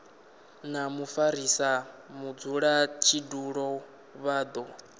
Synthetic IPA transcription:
namufaɾisamud͡zuɺat͡ʃʰiduɺɔ | βaːd̪ɔ

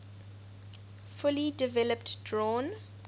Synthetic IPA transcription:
fʊlidɪvɛləptdɹɔ̃ːn

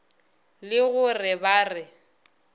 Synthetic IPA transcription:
lɪɣʊrɪbaːrɪ

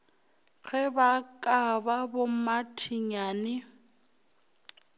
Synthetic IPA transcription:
k͡xʰɛbakʼababʊmatʰiɲaːnɪ

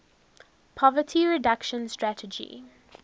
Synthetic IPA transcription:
pʰɔvətʰiɹɪdakʃə̃nstɹætəd͡ʒḭ

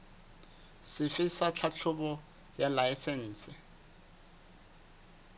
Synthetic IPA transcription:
sɪfɪsat͡ɬʰat͡ɬʰʊbɔ | jalaɪsɛn̩ːsɪ

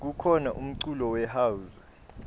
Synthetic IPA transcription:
k̬ukʰɔnaʔum̩ǀulɔwɛɦauz

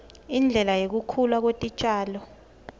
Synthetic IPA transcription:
ind͡ɮʱɛlajek̬ukʰulwak̬wetʼit͡ʃʼaːlɔ

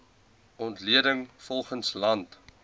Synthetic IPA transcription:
ɔntliədəŋfɔlˠχənslɐnt

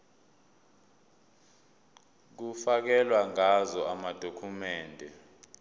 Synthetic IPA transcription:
k̬ufak̬ɛlwaŋazɔamad̥ʱokʰumɛːndʱɛ

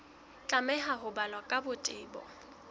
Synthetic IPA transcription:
t͡ɬʼamɛɦaɦʊbalwakʼabʊtʼɪːbɔ̰

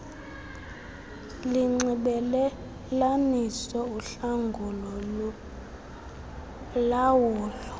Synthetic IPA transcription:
liŋ͡ǀiɓɛlɛ | lanisɔuɬaŋɡʱulɔ | lawuːlɔ

